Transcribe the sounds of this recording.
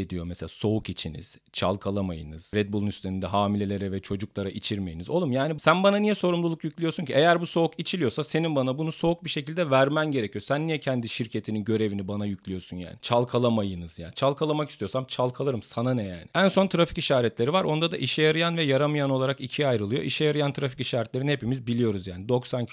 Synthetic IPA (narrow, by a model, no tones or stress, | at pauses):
ed̪ijo̞mɛselʲaːso̞ukit͡ʃʰinḭz̥ | t͡ʃʰa̰lˠkʰalˠamajɯ̰nɯz̥ɾɛd̪̚bulˠunyst̪ʰeɾind̪ɛɦaːmilʲe̞lʲe̞ɾɛvɛt͡ʃʰo̞d͡ʒuklˠaɾaʔit͡ʃʰiɾme̞jinizo̞lˠumjaːnisænbananijɛso̞ɾumlˠulˠukjyclʲijo̞suncʰiʔejæɾbuso̞ukit͡ʃʰilʲijo̞sase̞ninbanabunuso̞uk̚biʃe̞cʰilʲd̪ɛvæɾmænɟe̞ɾecʰijosænːijɛcʰɛnd̪iʃiɾcʰe̞t̪ʰininɟø̞ɾe̞vinibanajycʰʲlʲijo̞sunja̰ːnɪt͡ʃʰalˠkʰalˠamajɯnɯz̥ja̰ːnt͡ʃʰalˠkʰalˠamakist̪io̞samt͡ʃʰalˠkʰalˠɯɾɯmsananɛja̰ːnɪænso̞nt̪ʰɯɾafi̥ciʃaːɾɛt̪lʲe̞ɾivaɾo̞nd̪ad̪aʔiʃɛjaɾɯjanvɛjaɾamɯjano̞lˠaɾakicʰiajɾɯlˠɯjo̞̰ʔiʃɛjaɾajant̪ʰɯɾafi̥ciʃaːɾɛt̪lʲeɾinhe̞pimizbilʲijo̞ɾuzjaːnid̪o̞ksanʰ